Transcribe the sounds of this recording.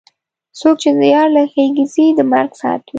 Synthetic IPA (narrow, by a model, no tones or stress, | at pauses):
sok̚t͡ʃed̪əjɑɾləxeɡizid̪əma̰ɾɡsɑ̰a̰t̪wi